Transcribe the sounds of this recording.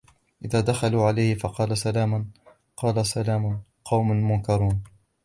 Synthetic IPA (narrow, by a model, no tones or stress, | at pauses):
ʔɪðaːd̪axaluːʕalajhɪfɑqɑːlasalaːman | qɑːlasalaːmʊn | qɑwmʊnmʊnkɑɾˤuːn